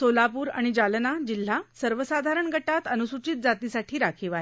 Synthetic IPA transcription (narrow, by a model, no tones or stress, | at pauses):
solapuːɾa̰ɽ̃id͡ʑalnad͡ʑil̤ːasəɾʋəsad̪ʱaɾəɳɡʱəʈat̪ənusut͡ɕiːt̪̚d͡zat̪iːsaʈʰiːɾakʰiʋaɦe